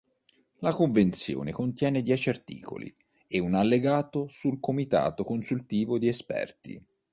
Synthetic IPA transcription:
lakoɱvent̪sjo̰ːnekont̪jɛːned̪jɛːt͡ʃiart̪ḭːko̰lḭ | eunalːeɡaːt̪osulkomit̪a̰ːt̪okonsult̪iːvod̪iespɛ̰rt̪ḭ

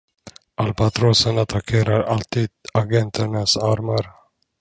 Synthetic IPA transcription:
ʔalbat̪ʰɾoːsənat̪ʰakʰeːɾaɾalt̪ʰiːd̪̚aɡɛnt̪ʰəɳasaɾmaɾ

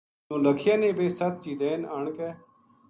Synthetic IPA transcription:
nõːləkʰjãːnẽːbʱeːsət̪̚t͡ʃiːd̪ẽːnaːɳkɛː

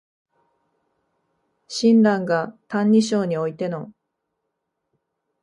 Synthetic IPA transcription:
ɕĩnɾãŋɡat̪ãɲːiɕo̞ːɲ̟io̞it̪e̞no̞

